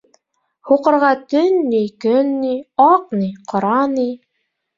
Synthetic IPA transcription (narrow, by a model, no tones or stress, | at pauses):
huqɤ̆ɾʁɑt̪ɵnːijkɵnːiɑqniqʰŏɾɑni